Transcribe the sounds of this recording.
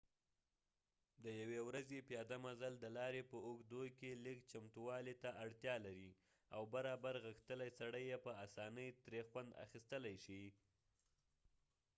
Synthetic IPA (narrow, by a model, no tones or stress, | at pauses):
d̪əjawewɾazepjɑd̪amazald̪əlɑɾepəoɡd̪okelikt͡ʃamt̪uwɑlit̪aʔaɽt̪jɑlaɾi | awbaɾɑbaɾɣəxt̪əlajsaɽəjːepəasɑnəjt̪ɾexwand̪a̰xist̪əlajʃi